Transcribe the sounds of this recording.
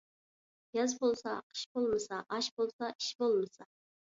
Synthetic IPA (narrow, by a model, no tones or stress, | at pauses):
jɑzbolˠsɑqʰə̥ʃbolˠməsɑʔɑʃbolˠsɑʔiʃbolˠmɨsɑ